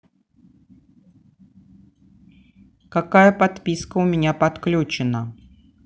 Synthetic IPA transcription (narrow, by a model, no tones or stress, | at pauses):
kakajəpat̪pʲiskəʊmʲɪnʲapɐt̪klʲut͡ɕɪnə